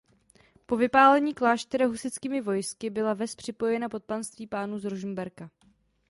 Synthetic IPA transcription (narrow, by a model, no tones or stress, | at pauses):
po̞vɪpaːlɛɲiːklaːʃt̪ɛɾaɦusɪt͡skiːmɪvo̞jskɪbɪlavɛspr̝̥ɪpo̞jɛnapo̞t̪̚panst̪viːpaːnuːzɾuʒm̩bɛɾka